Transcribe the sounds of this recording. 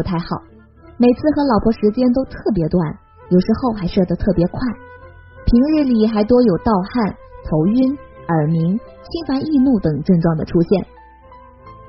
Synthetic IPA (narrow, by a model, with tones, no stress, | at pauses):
u˧˥t̪ʰa˥˩ɪxɑ˨˩˦ʊ | me˨˩ɪt͡sʰɹ̩˥˩xɤ˧˥lɑ˨˩ʊpʰwɔ˧˥ʂɻ̩˧˥t͡ɕjɛ˥nt̪̬o˥ʊt̪ʰɤ˥˩p̬jɛ˧˥t̪wa˥˩n | jo˨˩ʊʂɻ̩˧˥xo˥˧ʊxa˧˥ɪʂɤ˥˧˩d̪ə˧t̪ʰɤ˥˩pjɛ˧˥kʰwa˥˩ɪ | pʰi˧˥ŋɻɻ̩˥˩li˨˩xa˧˥ɪt̪wɔ˥jo˨˩ʊt̪ɑ˥˧ʊxa˥˩n | t̪ʰo˧˥ʊy˥nə˞˨˩mi˧˥ŋ | t͡ɕʰi˥nfa˧˥ni˥˧nu˥˩t̪ɤ˨˩ŋʈ͡ʂɤ˥˧ŋʈ͡ʂwɑ˥˩ŋd̪ə̰˩ʈ͡ʂʰu˥ɕjɛ˥˩n